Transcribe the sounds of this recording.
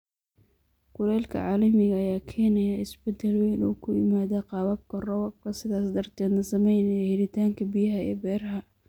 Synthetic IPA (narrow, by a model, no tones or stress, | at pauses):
kʊɾɛːlkʰɐ̰ʕɑːlɐmɪɣɐːjaːkʰɛːnɛjɐɪsbɛd̪ɛlwɛjnṵːkʰʊjɪmaːðɐqɑːβɐb̚kʰɐrɔwɐb̚kʰɐsɪðaːsd̪ɐrt̪ʰɛːd̪nɐsɐmɛjnɛjɐhɪɾɪt̪ʰaːŋkʰɐbɪjɐɦɐɛ̰ːbɛːrɦɐ